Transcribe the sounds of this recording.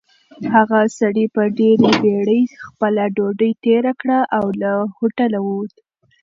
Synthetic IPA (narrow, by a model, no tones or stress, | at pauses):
haɣasaɽipəɖeɾebeɽəjxpəlaɖoɖəjt̪eɾakɽaʔawlahoʈalawod̪